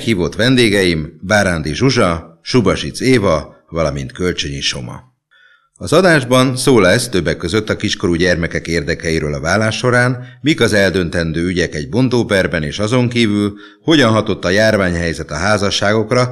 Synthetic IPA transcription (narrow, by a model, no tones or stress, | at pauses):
khiːvo̞t̪ʋɛnd̪eːɡɛjimbaːɾand̪iʒuʒɒʃubɒʃit̪seːvɒ | vɒlɒmḭnt̪kø̞lt͡ʃøɲiʃo̞̰mɒ̰ | ɒzɒd̪aːʒbɒnsoːlɛst̪øbːɛkːøzø̞t̪ːɒkiʃko̞ɾuɟɛrmɛkɛkeːrd̪ɛkɛjiɾøːlɒvaːlaːʃːo̞ɾaːnmikɒzɛld̪ø̞nt̪ɛnd̪øːyɟɛkɛɟ̚bo̞nt̪oːpɛrbɛneːʃɒzo̞ŋkiːvyl | ho̞ɟɒnɦɒt̪o̞t̪ːɒjaːrvaːɲɦɛjzɛt̪ɒɦaːzɒʃːaːɡo̞krɒ